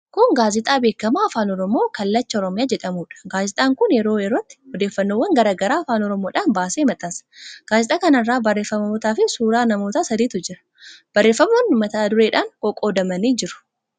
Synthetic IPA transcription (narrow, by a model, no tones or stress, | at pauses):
kʊŋɡaːzɪt̪ʼaːbe̞ːkːɐmaːfaːnɔɾɔmo̞ːkɐlːɐt͡ʃːɐɔɾɔmɪjaːd͡ʒɛᶑɐmuːᶑɐ̥ɡaːzɪt̪ʼaːŋkʊnjɛɾo̞ːɛɾot̪ːɪ̥hɔd̪eːfːɐnːoːwɐŋɡɐɾaːɡɐɾaːɐfaːnɔɾɔmoːᶑaːnbaːseːmɐt̪ʼaːsɐ̥ɡ̥aːzɪt̪ʼaːkɐnɐrːaːbɐrːe̞ːfːɐmɐmoːt̪aːfɪsuːɾaːnɐmoːt̪aːsɐd̪iːt̪ʊd͡ʒɪɾɐ̥ | b̥ɐrːe̞ːfːɐmɐnʊmːɐt̪ɐːd̪ʊɾe̞ːᶑaːŋkʼɔkʼoːd̪ɐmɐniːd͡ʒɪɾʊ̥